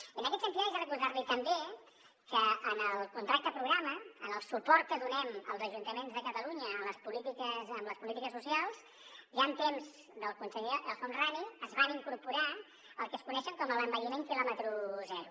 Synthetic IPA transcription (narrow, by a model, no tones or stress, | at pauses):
ənəkɛt̪sənt̪iðəizaɾəkuɾðaɾlit̪əmbe | kəənəlˠkunt̪ɾak̚t̪əpɾuɣɾaməənəlˠsupɔɾt̪̚kəðunɛmə̰lˠzəʒunt̪əmenzðəkət̪əluɲəːləspulit̪ikəsəmləspulit̪ikəsːusialˠz | ʒant̪emz | d̪əlˠkunsəʎed̪əlˠfonraðiəzβaniŋkuɾpuɾa | əlˠkəskunɛʃəŋkɔmələmbəimeŋkilɔmət̪ɾuzɛɾu